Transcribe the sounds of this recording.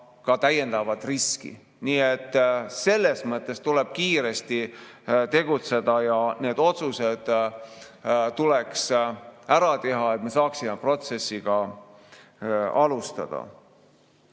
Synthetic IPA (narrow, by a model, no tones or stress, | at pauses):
kɑt̪æje̞nd̪̥ɑvɑd̪̥riskḭ | niːet̪ːse̞lːe̞smɤt̪ˑːe̞st̪uleb̥̚kiːɾe̞st̪it̪e̞ɡut̪se̞d̪̥ɑjɑne̞ːd̪̥o̞t̪suse̞d̪̥ | t̪uleksæɾɑt̪e̞ɦɑe̞t̪̚me̞sɑːksimepro̞t̪se̞sːiɡ̥ɑ | ɑlust̪ɑ̰d̪̥ɑ̰